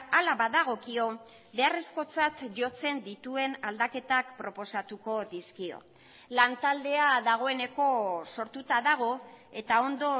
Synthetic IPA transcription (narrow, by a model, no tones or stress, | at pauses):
alaβaðaɣ̞o̞kio̞ | be̞are̞sko̞t͡sat̪ʝo̞t͡se̞nd̪it̪ue̞nald̪ake̞t̪akpɾo̞po̞sat̪uko̞ðiskio̞̰ | lant̪ald̪e̞aðaɣ̞o̞e̞ne̞ko̞so̞ɾt̪ut̪aðaɣ̞o̞ | e̞t̪ao̞nd̪o̞